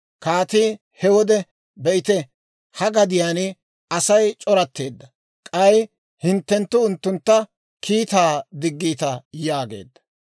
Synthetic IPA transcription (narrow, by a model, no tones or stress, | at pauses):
kaːt̪iː | hɛwɔd̪ɛ | bɛʔɪt̪ɛ | hɐɡɐd̪ɪjaːn | ɐsɐjt͡ʃʼɔɾɐt̪ːe̞ːd̪ːɐ | kʼɐj | hɪnt̪ːɛnt̪ːʊʊnt̪ːʊnt̪ːɐ | kʰiːt̪aːd̪ɪɡːiːt̪ɐjaːɡe̞̰ːd̪ːɐ̥